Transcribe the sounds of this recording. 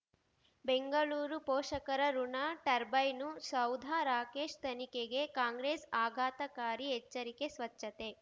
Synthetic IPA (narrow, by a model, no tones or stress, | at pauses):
beŋɡɐɭuːɾupɔːʂɐkɐɾɐɾuɳaːʈɐɾbɐjnusɐwd̪ʱaːɾaːkeːʂt̪ʰɐnikeɡe̞kaːŋɡɾeːsaːɡʱaːt̪ɐkaːɾiɦɛt͡ʃːɐɾike̞sʋɐt͡ʃːɐt̪e̞